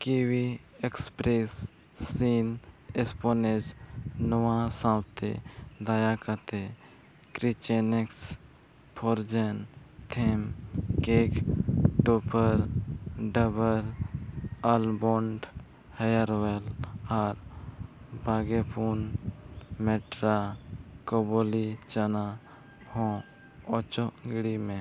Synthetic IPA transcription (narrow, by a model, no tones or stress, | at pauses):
kiwi | ekspɾesː | iːnesponed͡ʒnəwãsãwt̪ḛd̪ajakat̪e | kɾit͡ʃeneks | pʰoɾd͡ʒent̪ʰemkekʈopəɾɖəbəɾ | əlboɳɖ | həjəɾwelaːɾ | baɡepun | meʈɾakobolit͡ʃəna | hõ | ɔt͡ʃoɡɽimẽ